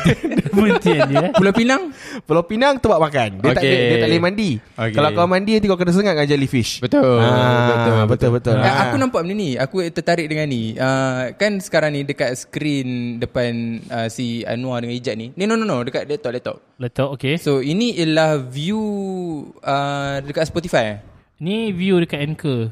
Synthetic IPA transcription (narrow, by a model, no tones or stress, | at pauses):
t̪ipulawpinaŋpulawpinaŋt̪əbaʔ̚makandiak̪aʔledat̪aʔlemandiokkalakaamandiant̪ikoʔkənas̬əŋat̪ʔ̚ŋad͡ʒalifiʃbət̪oaabʊbət̪ʊlbət̪ʊlaakunampaʔməniniakut̪ət̪aɾɪʔ̚dəŋaniəkansə̥kaɾaŋnĩdəkat̪̚sə̥kɾindəpanəsia̰nũadəŋãnid͡ʒaʔ̪̚nininononodəkaʔ̪̚lɛt̪ɔʔlɛʔt̪ɔ̰p̚lɛt̪ɔʔokesoinĩəlahviu | ədəkat̪spɔt̪ifaja | nivjudəkat̪ɛnkə